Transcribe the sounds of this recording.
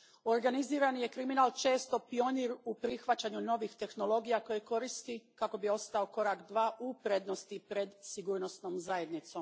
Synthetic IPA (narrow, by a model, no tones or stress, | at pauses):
o̞ɾɡaniziːɾanije̞kɾiminalˠt͡ʃe̞ːst̪o̞pioniɾupɾixʋat͡ɕaɲuno̞ʋixt̪e̞xno̞lo̞ɡijako̞jeko̞ɾist̪ikako̞bio̞st̪ao̞ko̞ɾakd̪ʋaːʔupɾe̞d̪no̞st̪ipɾe̞d̪siɡuːɾno̞sno̞ːmzaje̞d̪nit̪so̞m